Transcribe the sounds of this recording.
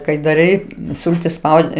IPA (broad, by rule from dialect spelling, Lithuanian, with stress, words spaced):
kɐɪ dɐˈrɐɪ ˈsʊlʲtʲɪs ˈspɐʊdʲɪ